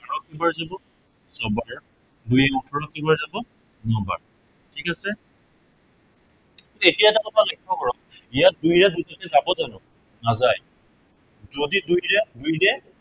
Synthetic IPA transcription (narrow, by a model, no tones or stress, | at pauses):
aɹɔkːibaɹzabɔ | sɔbaɹ | dujɛɔtʰɔɹɔkːibaɹzabɔ | nɔba̰ɹ | tʰikasɛ | tuetijaɛtakɔtʰalɔjkʰːɔkɔɹɔkijadujɹɛzutakɛzabɔzanɔ | nazaj | zodidujɹɛdujdɛ